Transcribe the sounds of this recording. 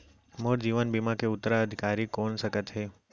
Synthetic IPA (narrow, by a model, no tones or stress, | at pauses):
moɾd͡ʒiʋənbimãkeʊt̪ːɾaəd̪ʱikaɾikonʃəkət̪ɦe